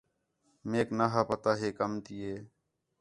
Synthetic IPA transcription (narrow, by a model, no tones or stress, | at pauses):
meːknaːɦaːpət̪aːɦeːkəmt̪ijeː